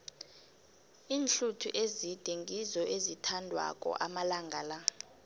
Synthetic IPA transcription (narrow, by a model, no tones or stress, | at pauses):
iːnɬutʰṵʔezid̥ʱɛŋʱizɔʔezitʰandʱwa̰kʼɔ̰ʔamalaŋɡʱala